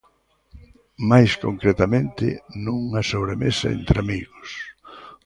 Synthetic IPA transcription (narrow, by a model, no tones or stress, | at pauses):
majskoŋkɾet̪amẽnt̪ɪ̰nuŋɐsoβɾemesɐ̰ḛnt̪ɾɪamiɣʊs